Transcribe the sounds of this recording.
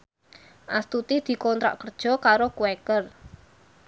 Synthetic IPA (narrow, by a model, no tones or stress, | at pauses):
ʔast̪ut̪id̪̥i̤kɔnt̪ɾa̰ʔkərd̥ʒ̥ɔ̤kaɾokuwekər